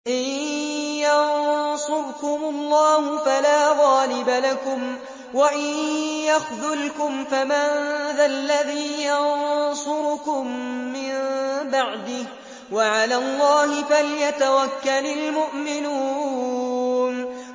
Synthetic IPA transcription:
ʔɪnjɑnsˤʊbkʊmʊlˤːɑːhʊfalaːɣɑːlɪbalakʊm | waʔɪnjaxðʊlkʊmfamaðalːaðiːjɑnsʊɾʊkʊmːɪmbaʕd̪ɪh | waʕalaːlˤːɑːhɪfaljat̪awakːalalmʊʔmɪnuː | n

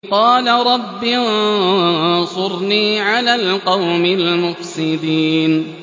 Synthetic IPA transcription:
qɑːlaɾˤɑbːin | sˤʊɾniːʕalaːlqɑwmɪlmʊfsɪd̪iːn

